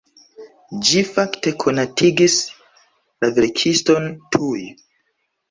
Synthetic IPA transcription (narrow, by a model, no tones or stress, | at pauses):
d͡ʒifakte̞kʰo̞natʰiɡis | laveɾkʰisto̞ntʰuj